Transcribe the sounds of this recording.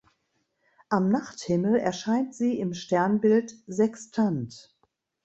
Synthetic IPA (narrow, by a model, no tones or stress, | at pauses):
ʔamnaχthɪml̩ɛɐʃaɪntz̥iːɪmʃtɛɐnbɪltzɛkstʰant